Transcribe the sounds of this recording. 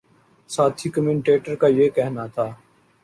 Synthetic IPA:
saːt̪ʰiːkəmẽɳʈeːʈəɾkaːjeːkɛɦnat̪ʰaː

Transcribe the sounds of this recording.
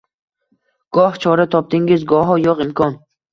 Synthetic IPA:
ɡ̥ɒht͡ʃʰɒɾat̪ʰɒp̚t̪ɪŋɪzɡɒɦɒjɒqɪmkʰɒn

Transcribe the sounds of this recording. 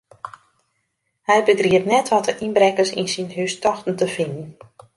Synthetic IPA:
hɛjbəɡriətnɛtʋɔtəʔinbrɛkəsḭnsinɦystɔxtən̩təfɪndn̩

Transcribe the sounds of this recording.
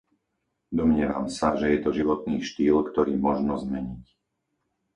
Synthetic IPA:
d̪ɔmɲɪɛʋa̰msaʒɛjɛt̪ɔʒiʋɔt̪̚niːʃt̪iːlkt̪ɔɾiːmɔʒnɔzmɛɲic

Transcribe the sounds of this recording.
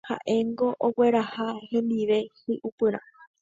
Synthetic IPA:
ha̰ʔe̞ŋɡo̞ʔowe̞ɾahahẽ̞nd̪iʋe̞sɨʔupɨɾã̰

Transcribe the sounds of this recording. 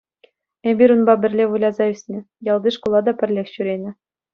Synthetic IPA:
ebʲiɾʲunbɑbʲɘ̆rʲlʲeʋulʲɑzɑysʲnʲɘ̆ | jɑlˠd̪iʂkulˠɑd̪ɑpʲɘ̆rʲlʲexʲɕyɾʲenʲɘ̆

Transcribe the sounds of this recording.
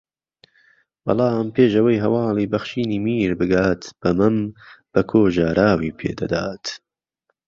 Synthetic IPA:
b̥ɑ̰lɑːmpʰeːʃɐwɐjɦɐwɑːlˠiːbɐχʃiːniːmiːɾbɨɡaːt̪b̥ɐmɨmb̥ɐkʰoːʒaːɾaːwiːpʰḛːd̪ɐ̰d̪aːt̪

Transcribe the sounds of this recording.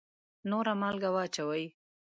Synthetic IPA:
noɾamalɡawat͡ʃawaj

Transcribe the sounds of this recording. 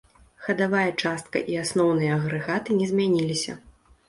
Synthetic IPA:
xɐd̪avajɐt͡ʂast̪̚kɐ̰ʔiasnɔwn̪ɨjɐɐɣɾɨɣat̪ɨnʲɛzʲmʲanʲilʲisʲɐ̰

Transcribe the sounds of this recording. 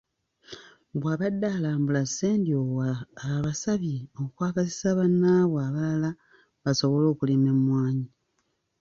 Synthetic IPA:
bwaːβadːaːlaːmbulaseːndiowaβasaβiokwaːɡasi̥saβanːaːβoaβalala | βaso̞βo̞lo̞ːkulimemwaːɲi

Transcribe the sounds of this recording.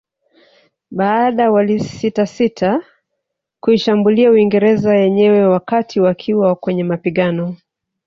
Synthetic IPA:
ɓaːɗawalisitasitʰa | kuiʃambuliauiŋɡɛɾɛzajɛɲɛwɛwakatʰiwakʰiwakwɛɲɛmapiɠanɔ

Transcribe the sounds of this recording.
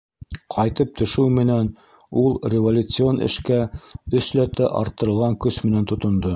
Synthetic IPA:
qʰɑjt̪ɤp̚t̪ʰɵ̆ʃɘwmɘ̆næn | ulˠrʲɪvolʲut̪sɨo̞nʔɘ̰̆ʃkæɵ̆ʃlæt̪æʔɑ̰ɾt̪ːɤ̆ɾɤlˠʁɑŋkɵʃmɘ̆nænt̪ŏt̪ŏnd̪o

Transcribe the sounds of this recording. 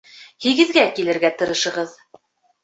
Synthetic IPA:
hiɡɘ̆ðɡækilɘ̆ɾɡæt̪ɤ̆ɾɤ̆ʃɤ̆ʁɤð

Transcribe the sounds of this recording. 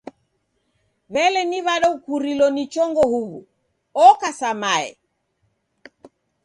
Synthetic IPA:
βɛlɛniβaɗɔukuɾilɔnit͡ʃɔŋɡɔhuβṵ | ɔkasamaɛ̰

